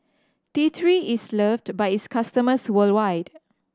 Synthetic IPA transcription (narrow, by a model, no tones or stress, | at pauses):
tit̪ʰɹiisləfdbajɪtskʰastəməswəldwajd̥